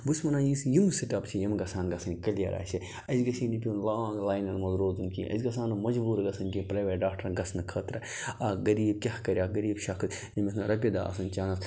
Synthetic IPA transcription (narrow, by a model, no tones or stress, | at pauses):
busmɐnaːjisjimsiʈɐpt͡ʃʰijɐmɡɐsaːnɡɐsɐnʲkɐlijɐ̰ɾʔa̰ːsi | ɐzɡɐsinip̬ʲuːnlaɡlaːjnɐnmɐzɾoːt̪unkḭʔɐ̰zɡɐsaːnɨmɐd͡ʒbuːɾɡɐsɐnkipɾɐːʋʲeːɾɖaːk̚ʈɐɾɡɐsnɨkʰɐt̪ɾɐ | ɐɡɐɾiːb̚kʲɐhkɐɾjaːɡɐɾiːbʃɐkʰt̪ | imisnɾɐp̬ʲid̪a̰ːɐ̰sɐnt͡ʃaːnɐs